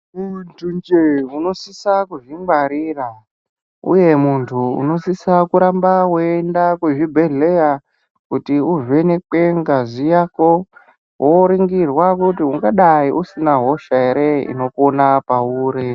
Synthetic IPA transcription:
muntʰund͡ʒeuno̞sisakuʐiŋɡaɾira | ṵje̞muntʰuṵno̞sisakuɾambawoendakweʐibʱeɮeja | kutiuʐwe̞ne̞k͡pe̞ŋɡazijako | wʔoɾiŋɡirwakutiuŋɡaɗaiʔusinaɦo̞ʃaeɾe̞ḭno̞konapauːɾe

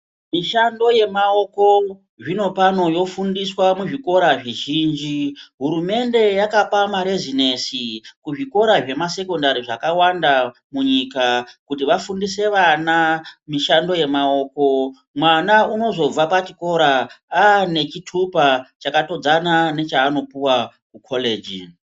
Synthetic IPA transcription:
miʃando̞je̞mao̞ko̞ | ʐino̞pano̞jo̞fundiswamuʐiko̞ɾaʐiʒiːnd͡ʒiɦuɾume̞nde̞jakapamaɾezine̞sikuʐiko̞ɾaʐe̞mase̞ko̞ndaɾiʐakawanda | muɲikakutiʋafundise̞ʋanamiʃando̞je̞mao̞ko̞ | mwanauno̞zo̞b͡vapat͡ʃiko̞ɾaaːne̞t͡ʃitʰupat͡ʃakato̞d͡zanane̞t͡ʃaːno̞piwa | kukʰo̞le̞ːd͡ʒḭ

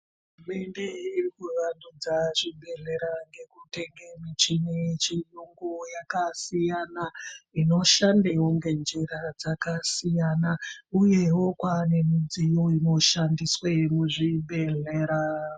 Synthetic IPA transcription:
ɦururume̞nde̞irikuʋandud͡zaʐibe̞ɮe̞ɾaŋɡe̞kute̞ŋɡemit͡ʃinet͡ʃijuŋɡujakasijanaino̞ʃandewoŋɡe̞nd͡ʒiɾad͡zakasijanauje̞wo̞kwane̞mid͡zijoino̞ʃandiswe̞muʐibe̞ɮeːɾa

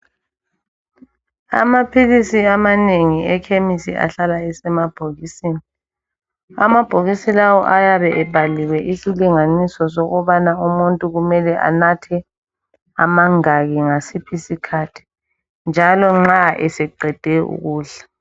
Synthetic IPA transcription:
a̰mapʰilisiamaneŋiɛkʰemisḭʔa̰ɬalaɛsɛmab̥ʱoɣisiːni | a̰mab̥ʱoɣisilawɔ̰ʔajaβɛʔɛb̥ʱaliwɛʔisiliŋanisɔsɔɣɔβanaumuntʼuɣumɛlɛʔa̰natʰɛ | a̰maŋaɣiŋasipʰisikʰatʰi̥ | nd͡ʒʱalɔŋ͡ǁaʔɛsɛǃɛd̥ʱɛṵɣuːɬḁ

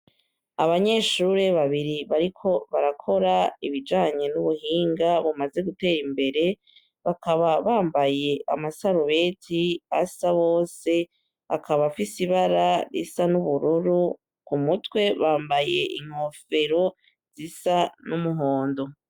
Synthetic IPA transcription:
aβaɲe̞ʃuɾe̞βaβiɾiβaɾikʰo̞βaɾakʰo̞ɾaiβid͡ʒaːɲe̞nuβuhiːŋɡaβumaze̞ɡute̞ːɾimbe̞ɾe̞ | βakaβaβaːmbaje̞ʔa̰masaɾuβe̞tʰiasaβo̞ːse̞ | akʰaβafisiβaɾaɾḭsanuβuɾuɾu | kumutwe̞βaːmbaje̞̰ʔiŋ̥ho̞fe̞ɾo̞ | z̥isanumuɦo̞ːndo̞

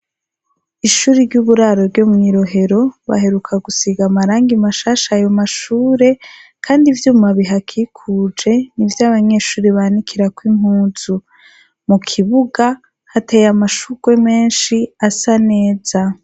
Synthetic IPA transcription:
iʃuːɾiɾɟuβuɾaːɾo̞ɾɟoːmŋiːɾo̞ɦe̞ɾo̞βa̰ɦe̞ɾukʰaɡusiɡamaɾaːŋɡimaʃaːʃaːjo̞maʃuːɾe̞kʰaːndivjuːmaβiɦakʰikʰud͡ʒe̞nivjaβaɲe̞ːʃuːɾiβanikʰiɾakwim̥huːnzu | mukʰiβuɡa | hatejamaʃuɡ̥we̞me̞ːnʃiasane̞ːz̥a

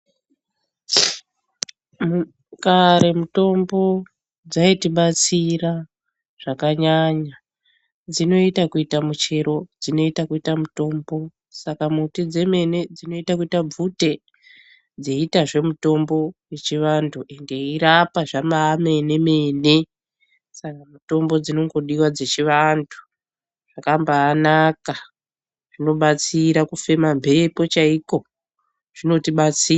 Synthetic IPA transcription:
mu | kaɾe̞muto̞mbo̞ | d͡zaitiɓat͡sira | ʐ̥akaɲaɲa | d͡zino̞itakuitamut͡ʃe̞ɾo̞d͡zino̞itakuitamuto̞ːmbo̞ | sakamutid͡ze̞me̞ne̞d͡zino̞itakuitab͡vute̞ | d͡ze̞itaʐe̞muto̞mbo̞je̞t͡ʃiʋandʰuʔe̞nde̞iɾapaʐamaːme̞ne̞me̞ːne̞ | sakamuto̞mbo̞d͡zino̞ŋɡo̞ɗiwad͡ze̞t͡ʃiʋantʰu̥ | ʐ̥akambaːnaka | ʐ̥ino̞ɓat͡siɾakufe̞mambʱe̞po̞t͡ʃaiko̞ | ʐ̥ino̞tiɓat͡sia

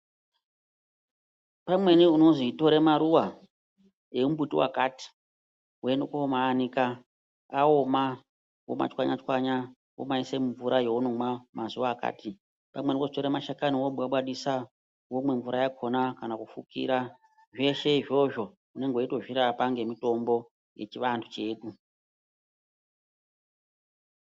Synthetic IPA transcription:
pamwe̞niuno̞zito̞ɾemaɾuwa | e̞umbutiwa̰kati̥ | wenokoomaːnika | aoma | wo̰ma̰t͡ʃwaɲat͡ʃwaɲa | wo̰maisemuɱvuɾʔajeunomamazuʋaːka̰ːti | pamwe̞nikoʐitoɾemaʃakaniwoɓaɓwaɗisa | womwe̞ɱvuɾajakʰonakanakufukḭːɾa | ʐe̞ʃe̞iʐo̞ʐo̞ | une̞ŋɡoito̞ʐiɾapaŋɡe̞mito̞mbo̞ | jet͡ʃiʋantʰut͡ʃe̞ːɗu

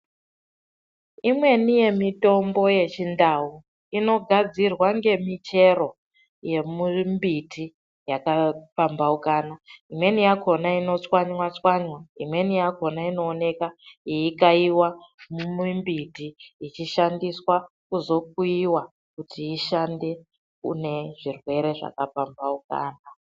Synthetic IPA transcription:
imwe̞nije̞mito̞mbo̞je̞t͡ʃindau | ino̞ɡʱad͡zirwaŋɡe̞mit͡ʃe̞ro̞ | je̞mumbitʰi | jakapambaukaːnaimwe̞nijakʰo̞naino̞t͡swaɲwat͡swaɲwaimwe̞nijako̞naino̞ːne̞kaiikaiwamumimbitiːt͡ʃiʃandiswa | kuzo̞k̚uiwa | kutʰiiʃande̞ | ṵne̞ʐirwe̞ɾe̞ʐa̰kapambauka̰ːna

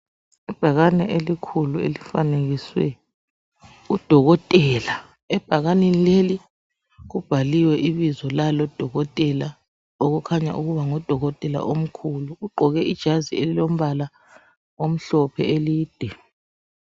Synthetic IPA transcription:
ib̥ʱaɣanɛʔelikʰuluḛlifaneɣiswɛ̰ | ud̥ʱɔɣɔtʼɛːla | ɛb̥ʱaɣanenileli | ɣub̥ʱaliwɛʔiβizɔlalɔd̥ʱɔɣɔtʼɛla | oɣukʰaɲa̰ʔuɣuβaŋɔd̥ʱɔɣɔtʼɛla̰ʔom̩kʰuluuɡ͡ǃʱɔɣɛʔid̥ʒ̥ʱazielilom̩βala | om̩ɬɔpʰɛeliːd̥ʱɛ

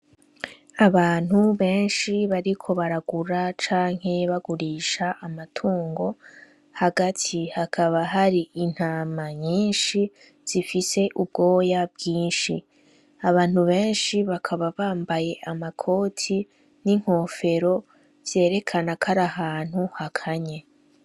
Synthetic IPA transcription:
aβaːn̥huβe̞ːnʃiβaɾikʰo̞βaɾaɡuɾat͡ʃaːŋ̥he̞βaɡuɾiːʃaʔːmatʰuːŋɡo̞ | haɡatʰihakʰaβaɦaɾiin̥haːmaɲiːnʃi | z̥ifise̞ʔub̚ɡo̞ːjab̚ɡiːnʃi | aβaːn̥huβe̞ːnʃiβakʰaβaβaːmbaje̞ʔamakʰo̞ːtʰi | niŋ̥ho̞ːfe̞ɾo̞ | z̥je̞ːɾe̞kʰanakʰaɾahaːn̥huhakʰaɲe̞

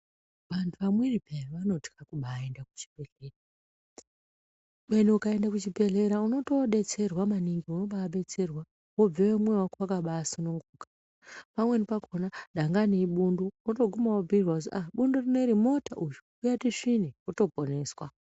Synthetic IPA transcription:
ʋantʰuʋamwiripeʋano̞ti̥kakuɓaːe̞ndaku̥t͡ʃi̥bʱe̞ɮe̞ːra | ɓenuukae̞ndakut͡ʃibʱe̞ɮe̞ɾauno̞to̞ɗe̞t͡se̞rwamaniŋɡiuno̞ɓaːɓe̞t͡se̞rwa | wob͡vewemwewakoakaɓaːsinuŋɡuːkḁ | pamwe̞nipakʰonaɗaŋɡaneiɓunduoto̞ɡʱumawob͡virwauz̬iʔaɓundorine̞ɾimo̞tʰa̰ʔujuujatiʂiniuto̞po̞ne̞ːswa

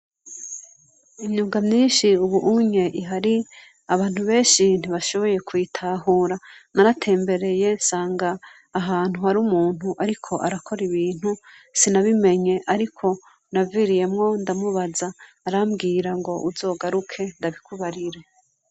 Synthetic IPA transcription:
imɲuːŋɡamɲiːnʃiuβuʔuɲe̞ʔiɦaɾi | aβaːn̥huβe̞ːnʃin̥iβaʃo̞βo̞je̞kʰujitʰaːɦuːɾanaɾatʰe̞ːmbe̞ɾe̞je̞nsaːŋɡaː | ɦaːn̥huhaɾumuːn̥huʔaɾikʰo̞ʔaɾakʰo̞ɾiβiːn̥husinaβime̞ɲe̞ʔaɾikʰo̞ | naviɾije̞mŋo̞ndamuβazaː | ɾamɡiːɾaŋɡo̞ʔuzo̞ːɡaɾukʰe̞ndaβikʰuβaɾiɾe̞

